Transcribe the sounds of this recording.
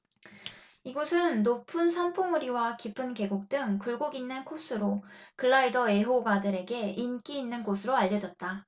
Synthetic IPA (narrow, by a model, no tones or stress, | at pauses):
iɡosʰɯnːopʰɯnsʰanpʰoŋuɾiwakipʰɯnke̞ɡuk̚t͈ɯŋkuɭɡoɡinːɯnkʰos͈ʰɯɾokɯɭːaidʌe̞ɦoɡadɯɾe̞ɡe̞ink͈iːnːɯnɡosʰɯɾoaʎːʌd͡ʑʌt̚t͈a